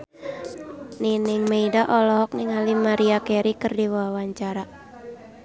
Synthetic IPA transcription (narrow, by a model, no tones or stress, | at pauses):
ninɪŋmeidaʔɔlɔɦɔk̚nɪŋalimaɾiakɛɾikɨrdiwaawaɲt͡ʃaɾa